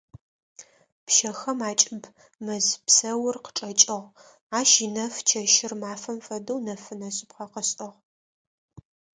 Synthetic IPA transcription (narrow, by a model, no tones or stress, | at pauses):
pʃɐxɐmaːt͡ʃʼɪb | mɐzpsɐwʊrqə̥ʈ͡ʂʼɐt͡ʃʼɨʁ | aːʃinɐft͡ʃʰɐʃɪrmaːfɐmfɐdɐwnɐfɨnɐɕʼɪpqɐqəsʼʔɐʁ